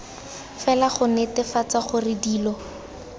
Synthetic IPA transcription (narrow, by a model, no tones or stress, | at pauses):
fɛlaχʊnetɪfat͡saχʊrɪdiːlɔ